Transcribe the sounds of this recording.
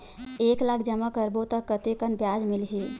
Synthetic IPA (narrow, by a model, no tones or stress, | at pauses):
eklakʰd͡ʒəmakəɾbot̪əkːət̪ekənbjad͡ʒmilɦi